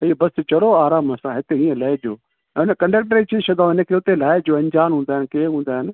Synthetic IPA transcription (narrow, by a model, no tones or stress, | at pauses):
ɪɦobɐst͡ɕɐɽoaːɾaːmɐsãɦɪt̪eĩːə̃laːɪd͡ʑoː | ɛ̃ʊnəkɐ̃ɳɖək̚ʈəɾit͡ɕʰiʃʰɐd̪aːɪnə̆kʰeːʊt̪elaːɪd͡ʑoːɐ̃ɲd͡ʑaːnɦũːnd̪aːɦɪnɪkeɦũːn̆d̪aːɦɪnɪ̆